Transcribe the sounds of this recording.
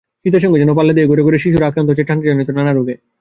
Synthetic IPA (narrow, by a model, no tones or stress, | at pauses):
kit̪eʃɔŋɡed͡ʑɛnop̬alːed̪eeɡoɾeɡoɾeʃiʃuɾakɾant̪ot͡ɕeʈʰːaned͡ʑanit̪onanaɾoɡe